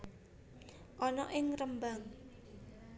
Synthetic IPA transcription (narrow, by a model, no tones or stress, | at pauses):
ʔɔnɔʔɪŋrəmbaŋ